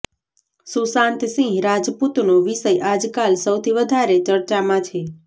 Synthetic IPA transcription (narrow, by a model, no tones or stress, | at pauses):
susãnt̪sĩɾad͡ʒput̪noʋiʃəjʔad͡ʒkalsəwt̪ʰiʋəd̪ʱaɾet͡ʃəɾt͡ʃamãt͡ʃʰe